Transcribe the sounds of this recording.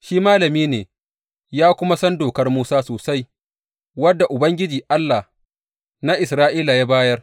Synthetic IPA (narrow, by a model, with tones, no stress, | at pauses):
ʃiː˦maː˦lɐ˨miː˦neː˨ | jaː˦kʷʊ˦ma˦sɐ˦ndoː˨kɐ˦rmuː˦saː˦soː˨sa˦j | wɐ˦dːa˨ʔʊ˨bɐ˦ŋɡʲɪ˦d͡ʒiː˨ʔa˦lːa˨h | na˦ʔɪ˨sɾaː˦ʔiː˦la˨jaː˦baː˦jɐ˦r